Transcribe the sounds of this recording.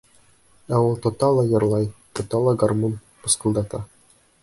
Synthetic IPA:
æulˠt̪ŏt̪ɑlˠɑjɤ̆ɾlˠɑjt̪ŏt̪ɑlˠɑɡarmon | pɤ̆sqɤ̆lˠd̪ɑt̪ɑ

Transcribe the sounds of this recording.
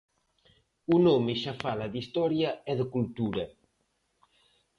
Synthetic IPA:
unomeʃafalad̪ist̪ɔɾjaɛðəkult̪uɾɐ

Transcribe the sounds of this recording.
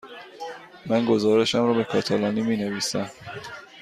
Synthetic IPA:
mænɡo̞zɒːɾe̞ʃæmɾɒːbe̞kʰɒːt̪ʰælɒːniːmiːne̞viːsæm

